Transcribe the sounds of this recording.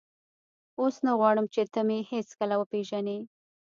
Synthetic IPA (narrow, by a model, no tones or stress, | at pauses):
osnaɣwɑɽəmt͡ʃet̪əmeheskəlawəpeʒane